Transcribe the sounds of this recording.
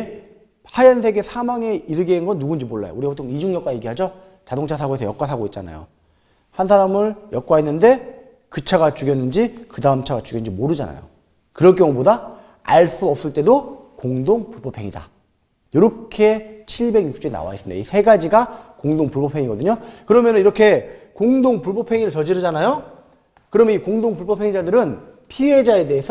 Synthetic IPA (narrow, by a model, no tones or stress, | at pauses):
hajansʰe̞ɡe̞sʰamaŋe̞iɾɯɡenɡʌnːuɡund͡ʑimoɭːa̰jo̰uɾipʰotʰoŋid͡ʑuŋɲʌk͈aje̞ɡiɦad͡ʑʌ | t͡ɕadoŋt͡ɕʰasʰaɡoesʰʌjʌk͈was̬ʰaɡoit̚t͡ɕ͈ana̰jo̰ | hansʰaɾamɯɭjʌk͈waenːɯnde̞ | kɯt͡ɕʰaɡat͡ɕuɡjʌnːɯnd͡ʑikɯdaɯmt͡ɕʰaɡat͡ɕuɡjnɯnɲd͡ʑimoɾɯd͡ʑa̰na̰jo̰ | kɯɾʌɭk͈jʌŋuboda | a̰ɭs͈uʌp̚s͈ɯɭt͈e̞do | koŋdoŋpuɭpʌpʰe̞ŋḭda̰ | joɾʌkʰe̞t͡ɕʰiɭbe̞ɡjuk̚t͡ɕ͈oina̰wa̰is͈ɯmndḛisʰe̞ɡad͡ʑiɡakoŋdoŋpuɭpʌpʰe̞ŋiɡʌdɯɲokɯɾʌmjʌnɯniɾʌkʰe̞koŋdoŋpuɭbʌpʰe̞ŋiɾɯɭt͡ɕʌd͡ʑiɾɯd͡ʑanajo | kɯɾʌmjnikoŋdoŋpuɭpʌpʰe̞ŋid͡ʑadɯɾɯnpʰiɦe̞d͡ʑae̞de̞ɦesʰ